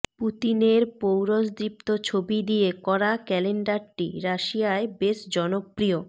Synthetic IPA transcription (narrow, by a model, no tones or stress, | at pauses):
put̪ineɾpowɾosd̪ɾip̚t̪ot͡ɕʰobid̪ijekɔɾakɛleɳɖaɾʈḭɾaʃijaebeʃd͡ʑɔnopːɾio